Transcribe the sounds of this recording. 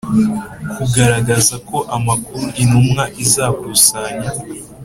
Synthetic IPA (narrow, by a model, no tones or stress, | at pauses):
kʰuɡaɾaɡazako̞ʔamakuɾuʔinumŋaʔizaːkusaɲa